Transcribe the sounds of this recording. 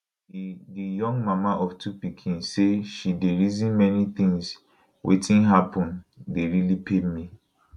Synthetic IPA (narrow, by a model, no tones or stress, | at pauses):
idijɔ̃ŋɡmamaʔɔftʰupikʰĩnseʃideɹizĩnmɛnit̪ĩŋs | wʔḛtĩnɦapʰɔ̃ndeɹilipʰemi